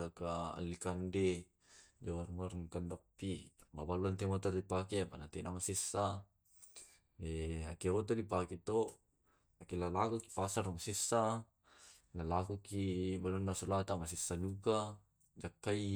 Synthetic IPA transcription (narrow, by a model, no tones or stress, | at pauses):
laka̰ːlːikande | d͡ʒawarmarŋkandapːimabaluant̪emot̪atdipakiapanat̪enamasɛsa | eakeot̪̬adipakit̪o | akelalakuki̥pasarmasɛsa | lalakukibaluanːasulat̪amasɛsːaduka | d͡ʒakːai